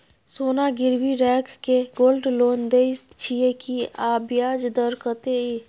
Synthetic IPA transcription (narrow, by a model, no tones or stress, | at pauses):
sonaɡiɾbiɾɛkʰkeɡolɖlond̪et͡ʃʰijekiabjad͡ʒd̪əɾkət̪ei